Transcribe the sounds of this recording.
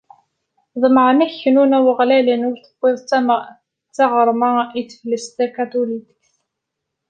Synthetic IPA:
ðˤəməʕnæçnunæwəʁlælənʊɾθə̥bʷːɪðˤ | t͡sːɑʁəɾˤmæiθfləst̪ækæt̪ulit̪ə̥kθ

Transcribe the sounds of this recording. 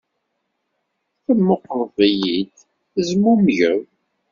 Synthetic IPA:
θəmːoqɾˤvijid̪ | θəzmumʝəð

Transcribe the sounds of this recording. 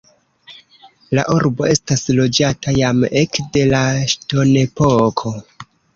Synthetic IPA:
la̰ʔuɾbo̞̰ʔe̞staslo̞d͡ʒatajame̞kde̞laʃto̞ne̞pokʰo̞

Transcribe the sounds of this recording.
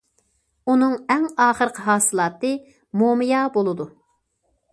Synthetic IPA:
unɨŋɛŋɑːχəɾəqʰɦɑːsɨlˠɑːt̪ɨ | momɨjɑːbolˠɨd̪u

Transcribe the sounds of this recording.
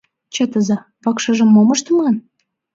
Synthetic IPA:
t͡ɕĕt̪əzɑ | βɑkʃɤ̆ʒə̆mːoməʃt̪mlɑn

